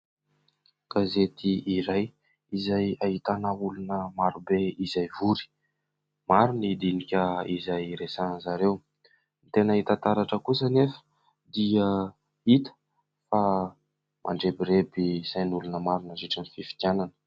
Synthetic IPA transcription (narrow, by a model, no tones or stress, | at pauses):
ɡ̥azet̪iːɾaj | izajaɦit̪anaulunəmaɾubeizajvuɾi̥ | maɾunid̪inikʲəizajɾesanzaɾew | nit̪enəit̪ant̪aɾaʈ͡ʂəkusənefə̥ | d̪iə | it̪ə̥ | fa | mʔa̰ɳɖ͡ʐebiɾebiz̥ajnulunəmaɾunaziʈ͡ʂənififi̥t̪jananə̥